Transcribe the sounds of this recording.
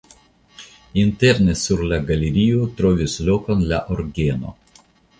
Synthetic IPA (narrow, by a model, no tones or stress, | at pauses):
inte̞ɾnesuɾlaɡaleɾiotɾo̞vislo̞ko̞nlaʔoɾɡeno̰